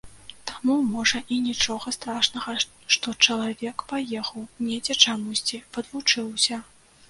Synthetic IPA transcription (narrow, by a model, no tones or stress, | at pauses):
t̪amumɔʐɐʔinʲit͡ʂɔɣɐst̪ɾaʂnɐɣɐ | ʂt̪ɔt͡ʂɐlˠavʲɛkpajɛxɐwnʲed͡zʲɛt͡ʂamusʲt͡sʲivɐd̪vut͡ʂɨwsʲɐ